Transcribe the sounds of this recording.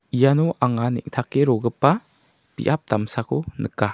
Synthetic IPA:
ijanɔʔaŋanḭʔ̚tʰakːeɾoɡɯpːa | b̥ḭʔap̚d̪amsakʰonɯkːa

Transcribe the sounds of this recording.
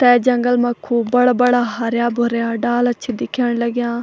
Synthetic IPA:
t̪ɛːd͡ʒɐŋɡəlmɐkʰːuːbɐɽabəɽaːɦaɾjaːbʱoɾejaːɖaːlɐtːt͡ʃʰid̪ɪkʰːjaːɽ̃ləɡjãː

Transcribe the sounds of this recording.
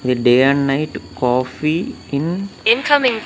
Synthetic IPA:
d̪eɖeːɛ̃ɳɖnaɪʈkɔːfiɪ̃nɪ̃nkʰamɪ̃ŋ

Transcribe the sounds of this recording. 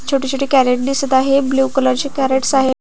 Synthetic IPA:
t͡ɕʰoʈit͡ɕoʈiːkæɾeʈ̚d̪isət̪aɦebluːkələɾt͡ɕekæɾeʈsaɦe

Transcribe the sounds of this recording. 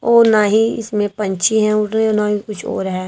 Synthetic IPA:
oːnaɦĩɪ̰smẽpɐ̃ɲt͡ʃʰiɦɛ̃ʊɾnonaikʊt͡ʃʰo̰ːɾɦɛ

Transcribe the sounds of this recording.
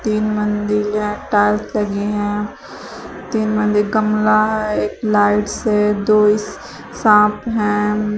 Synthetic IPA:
t̪iːnmə̃nd̪ilɦɛ̃ʈaːlt̪lɐɡeɦɛ̃ː | t̪iːnmə̃nd̪ilɡəmlaɦɛeːklaːɪʈsed̪oːɪs | sãːpɦɛ̃ː

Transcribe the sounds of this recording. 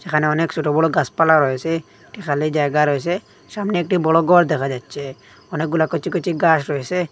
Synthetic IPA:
sekʰaneɔneksuʈɔbɔɽɔɡaspalaɾɔese | ʈikʰalid͡ʒajɡaɾɔjs̬e | samneːk̚ʈibɔɽɔɡɔɾd̪ɛkʰad͡ʒatːt͡ʃʰe | ɔnek̚ɡulakɔt͡ʃikut͡ʃiɡasɾɔese

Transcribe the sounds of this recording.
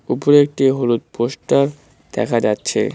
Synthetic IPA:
upoɾek̚ʈiɦulut̪̚poʃʈaɾ | d̪̥ɛ̰kʰad͡ʑatːɕʰḛ

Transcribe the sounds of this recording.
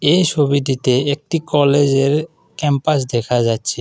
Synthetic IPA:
ejt͡ɕʰobiʈ̬it̪eek̚ʈikɔled͡ʑeɾ | kɛmpas̬d̪ɛkʰad͡ʑatːɕʰe

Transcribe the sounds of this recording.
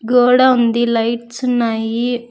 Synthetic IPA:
ɡoːɽɐund̪ilɐjʈsunaːji

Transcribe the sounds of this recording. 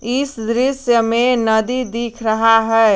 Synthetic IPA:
ɪsd̪ɾɪsjəmẽnəd̪id̪ikʰɾəɦaɦɛː

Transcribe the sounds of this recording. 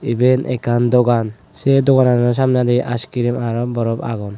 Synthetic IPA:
ibɛnʔɛkand̪ɔɡan | sɛd̪ɔɡananɔs̬amnad̪ɛʔaskiɾimaɾɔbɔɾɔpa̰ɡɔn

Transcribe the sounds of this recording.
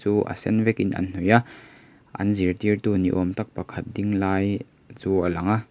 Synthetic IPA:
t͡suʔɐ̰sɛnvɛkinʔɐ̰nn̥uja | ʔɐ̰nziɾt̪iɾt̪unḭʔɔmt̪ɐk̚pɐkʰɐt̪̚diŋlaːj | t͡suʔɐlɐŋa

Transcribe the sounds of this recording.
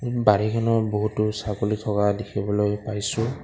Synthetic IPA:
baɹikʰanɔboɦutːʊsakolitʰɔkadekʰibɔlojpajsʊ̃

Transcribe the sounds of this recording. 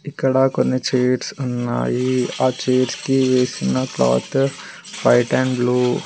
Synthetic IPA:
ɪkəɽaːkonet͡ʃeːɾsənːa̰ːiat͡ʃeːɾskiʋeːsinaklɔ̰ːt̪ | paɪʈɛ̃ːɳɖbluː

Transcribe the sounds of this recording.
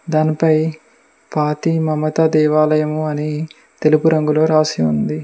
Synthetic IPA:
d̪aːnipɐj | paːt̪imɐmɐt̪ɐd̪ɛːʋaːlɐjɐmuɐni | t̪e̞lupuɾɐŋɡulo̞ːɾaːsiund̪i

